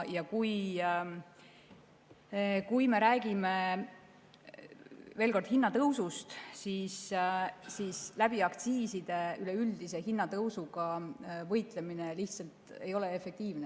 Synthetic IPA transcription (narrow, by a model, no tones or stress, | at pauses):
jɑkuj | kujme̞ɾæːɡ̥ime̞ | ve̞ːlko̞rd̪̥hinːɑt̪ɤwsust̪siːs | siːslæb̥iɑkt̪siːsid̪̥e̞yleyld̪ise̞hinːɑt̪ɤwsuɡ̥ɑvɤjt̪ˑle̞mine̞liht̪sɑlt̪e̞jo̞le̞efe̞k̚t̪iːvne